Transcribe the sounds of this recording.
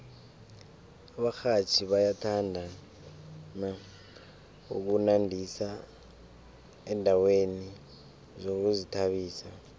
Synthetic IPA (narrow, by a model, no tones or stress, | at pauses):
aɓaxat͡ʃʰiɓajatʰandʱa | na | ṵk̬unandʱisa | ɛndʱaweni | zok̬uzitʰaɓiːsa